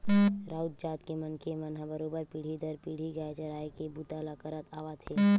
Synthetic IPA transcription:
ɾaːut̪̚d͡ʒaːt̪kemənkemənɦãbəɾoːbəɾpiɽ̤id̪ʱəɾpiɽ̤iɡaet͡ʃəɾaːekebut̪alakəɾət̪aːʋat̪ʰeː

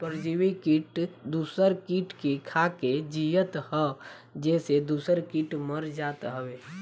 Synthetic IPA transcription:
pəɾd͡ʒiwekiʈd̪uːsəɾkiʈkekʰaked͡ʒijət̪hə | d͡ʒɛːsed̪uːsəɾkiʈməɾd͡ʒat̪ɦəweː

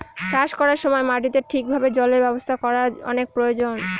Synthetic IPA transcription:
t͡ɕaʃkɔɾaɾʃɔmɔemaʈit̪eɾʈʰik̚bʱabed͡ʑɔleɾbɛbost̪ʰakɔɾaɔ̰nek̚pɾojod͡ʑon

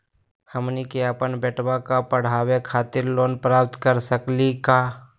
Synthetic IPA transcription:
həmnikeəpənbɛʈwakapəɽ̤aːwekʰaːt̪ɪɾloːnpɾaːp̚t̪kəɾsəklikaː

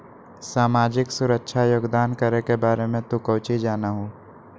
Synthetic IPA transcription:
saːmaːd͡ʒɪksʊɾəkʃʰajoːɡd̪aːnkəɾekebaːɾemẽt̪ukəːt͡ʃid͡ʒaːnaɦoː

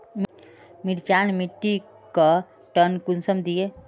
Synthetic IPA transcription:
m | mɪɾt͡ʃaːnmiʈːi | ka | ʈənkʊnsəmd̪ie

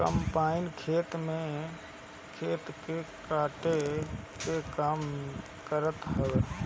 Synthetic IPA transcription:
kə̰mpaːɪnkʰeːt̪mẽ | kʰeːt̪ke | kaːʈekekaːm | kəɾət̪ɦəʋeː

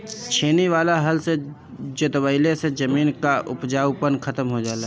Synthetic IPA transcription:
t͡ʃʰeːniʋaːlaɦəlse | d͡ʒət̪wəɪlesed͡ʒəmiːnkaʔʊ̰pd͡ʒaːʊpənkʰət̪əmɦod͡ʒaːla

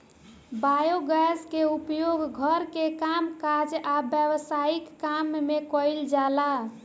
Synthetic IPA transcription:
bajoɡaskeupjoɡɡʱəɾkekamkad͡ʒabjəwsaikːamːekɔɪld͡ʒala

